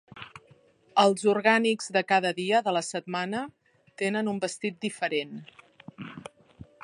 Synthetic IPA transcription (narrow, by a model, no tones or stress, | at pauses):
əlˠzuɾɣanikz̥ðəkaðəðiəðələsət̪̚manə | t̪enənumbəst̪it̪̚d̪ifəɾen